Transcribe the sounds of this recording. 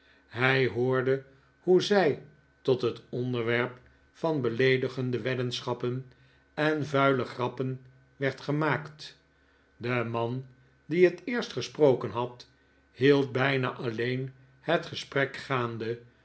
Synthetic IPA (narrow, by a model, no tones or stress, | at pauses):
ɦɛjɦʊːɹdə | huzɛj | tɔtɦətɔndəɹʋɛɹp | fɑnbəlejdəχəndəʋɛdənsχɑpən | ɛnvœɥləχrɑpən | ʋɛɹtχəmaːkt | dəmɑn | diɦətɪːɹstχəsprowkənɦɑt | ɦilˠt̚bɛjna̰ːʔɑlejn | hətχəsprɛkχaːndə